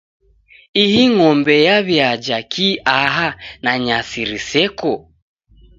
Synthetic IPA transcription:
ihiŋɔmbɛjaβjad͡ʒakiʔaɦanaɲasiɾisɛkɔ

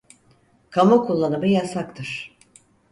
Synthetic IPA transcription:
kʰamukʰulˠːanɯmɯjasakt̪ʰɯɾ̥

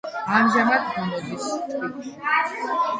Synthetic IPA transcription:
amʒamad̪ɡɔmɔd̪ist̪ʼiʃi

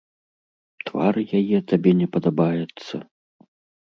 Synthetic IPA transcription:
t̪va̰rjajɛt̪abʲɛnʲɛpɐd̪abajɛt̪sːɐ̰

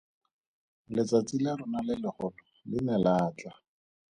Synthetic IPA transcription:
lɪt͡sat͡silaɾʊnalɪlɪχʊlɔlɪnalaːt͡ɬa

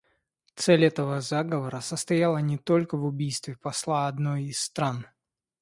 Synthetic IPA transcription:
t̪sɛlʲɛt̪əvəzaɡəvəɾəsəst̪ɐjalˠənʲɪt̪o̞lʲkəvʊbʲijst̪vʲɪpɐslˠaɐd̪nojisːt̪ɾan

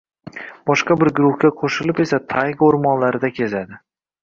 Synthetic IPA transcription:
b̥ɒʃqɑbɪɾɡʊɾʊhkʲaqʰoʃɪlɪpe̞sat̪ʰajqoɾmɒnlaɾɪd̪akʲʰe̞zad̪ɪ

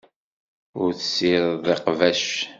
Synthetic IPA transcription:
ʊɾθəsiɾðeqvæʃ

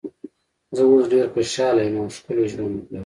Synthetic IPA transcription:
zəosɖeɾxoʃɑlajmaskʊloʒwanla

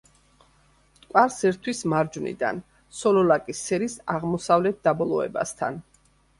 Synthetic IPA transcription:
kʼwaɾsɛɾt̪ʰwismaɾd͡ʒvnḭd̪a̰n | sɔlɔlakʼisɛɾisaʁmɔsavlɛt̪̚d̪abɔlˠɔɛ̰ba̰st̪ʰa̰n

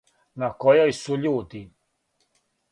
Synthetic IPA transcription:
nakɔjaisuʎud̪i

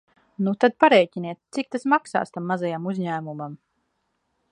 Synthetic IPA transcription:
nut̪ad̪̚paɾɛjcʲiniɛt̪̚t̪sik̚t̪asmaksa̰ːst̪amːazajamuzɲæːmumam

